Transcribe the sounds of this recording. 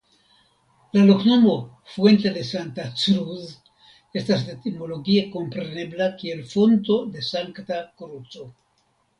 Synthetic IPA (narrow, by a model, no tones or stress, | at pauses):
laloknomo | fwe̞nt̪e̞de̞sant̪at͡sɾuz | e̞st̪asd̪et̪imoloɡieko̞mpɾe̞ne̞blakielfo̞nt̪o̞d̪e̞saŋkt̪akɾut͡so